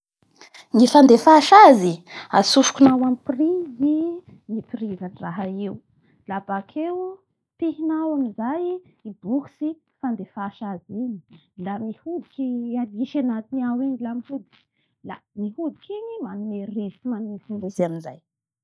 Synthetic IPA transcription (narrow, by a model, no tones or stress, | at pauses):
ŋifand̪efaʃaziasufu̥kunawamiprizi | nipirivanraɦaew | labakʰew | t̪iɦinawamizaj | ibuksi | fand̪efaʃaziɲi | lamihud̪ikʲialiʃanat̪inawiɲilamihud̪i̥k | la̰mihud̪ikiɲimanumeresimanumihunizaminzaj